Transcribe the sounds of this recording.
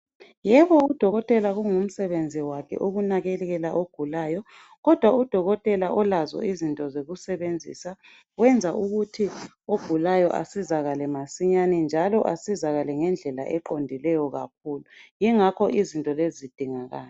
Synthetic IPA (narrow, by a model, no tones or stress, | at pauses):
jɛβɔud̥ʱɔɣɔtʼɛlaɣuŋum̩sɛβend͡zʱiwakʰɛ̰ʔoɣunaɣɛlɛɣɛlaʔoɡ̥ʱulaːjɔ | ɣɔd̥ʱwaud̥ʱɔɣɔtʼɛlaʔɔlazɔ̰izintʼɔzeɣusɛβend͡zʱḭsa | wɛnd͡zʱaʔuɣutʰi | oɡ̥ʱulajɔʔa̰sizaɣalɛmasiɲanɛnd͡ʒʱalɔʔa̰sizaɣalɛŋɛnd͡ɮʱɛla̰ʔɛǃondʱilɛjɔɣa̰k̚ʰuːlujiŋakʰɔʔizintʼɔlezid̥ʱiŋaɣaːlɛ